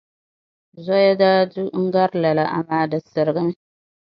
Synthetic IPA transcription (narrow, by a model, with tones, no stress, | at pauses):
zɔ˦ja˦daː˦du˦ŋ̩˦ɡa˦ɾla˨la˨ʔa̰˨maː˦dɨ˨sɨ˨ɾɨ˨ɡɨ˦n˦